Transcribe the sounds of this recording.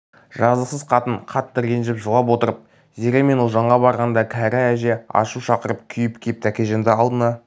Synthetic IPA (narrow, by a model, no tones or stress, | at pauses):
ʒɑzəqsəzqʰɑt̪əɴqʰɑt̪ːəɾenʒɪɪpʒolˠɑp̬wo̞t̪əɾəp̚ | zeɾʲeme̞nolˠʒɑɴʁɑbɑɾʁɑnd̪ɑkʲʰæɾææʒeɑ̰ʃuʃɑqəɾəp̚kʲʰʏjɪpkʲʰep̚t̪ʰækʲe̞ʒend̪ɪɑlˠd̪ənɑ